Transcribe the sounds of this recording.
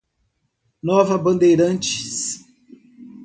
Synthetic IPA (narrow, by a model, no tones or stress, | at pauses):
nɔvɐbɐ̃nd̪ejɾɐ̃nt͡ʃi̥s